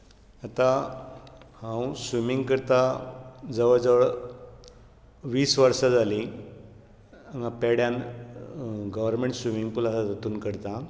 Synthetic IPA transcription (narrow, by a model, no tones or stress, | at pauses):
at̪a | hãwsʋimiŋɡkəɾt̪ad͡zəʋəɭd͡zəʋəɭ | ʋiːsʋəɾsad͡zʱali | aŋɡapɛɽjan | ɡəʋəɾmẽɳʈsʋimiŋɡpulasat̪ət̪uːnkəɾt̪a